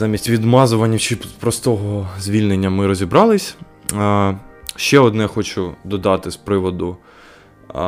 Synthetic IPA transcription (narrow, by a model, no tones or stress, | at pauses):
zɑmʲisʲtʲʋʲid̪mɑzʊʋɐnʲːɐt͡ʃɪpɾɔst̪ɔɦɔzʲʋʲilʲnenʲːɐmɪɾɔzʲibɾɑlˠɪsʲ | ʃt͡ʃɛɔd̪nɛxɔt͡ʃʊd̪ɔd̪ɑt̪ɪspɾɪʋɔd̪ʊ